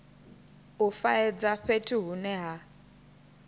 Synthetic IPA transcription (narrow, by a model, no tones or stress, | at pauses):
ufaɛd͡zaɸetʰʼiɦunɛɦa